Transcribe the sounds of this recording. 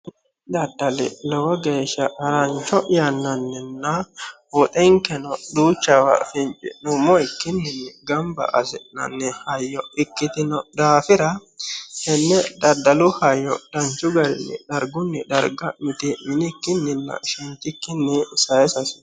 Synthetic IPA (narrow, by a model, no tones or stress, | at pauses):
d̪ɐd̪ːɐlɛ̰lɔwɐɡeːʃːɐɐɾɐnt͡ʃːɔʔjɐnːɐnːɛnːɐwɔt̪ʼɛŋkɛnɔd̪uːt͡ʃːɐwɐ̰fɪnt͡ʃʼɪ̰nʊmːɔɪkːɪnːɪnːɛɡɐmbɐ̰ʔɐsɛnɐ̰nːɛhɐjːɔɪkːɪt̪ɪnɔd̪aːfɪɾɐhɛnːɛd̪ɐd̪ɐlʊhɐjːɔd̪̥ɐnt͡ʃːʊɡɐɾɪnːɛ̰d̪ɐɾɡʊnːɛd̪ɐɾɡɐmɪt̪ɛmɪnɪkːɪnːɪnːɐ̰ʃɛnt̪ːɪkːɪnːɛsɐjɛsɐsɪ̥